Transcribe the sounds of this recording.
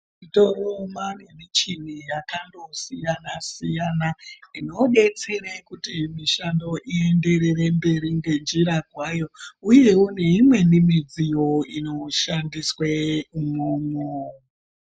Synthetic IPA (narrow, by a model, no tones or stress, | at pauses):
itoromanenit͡ʃin̤ijakando̞sijanasijanaino̞ɗe̞t͡serekutimiʃando̞ʔie̞nde̞ɾerembe̞ɾiŋɡe̞nd͡ʒiɾaɡʱwajo̞uje̞une̞imwe̞nimid͡zijo̞ino̞ʃandisweumomo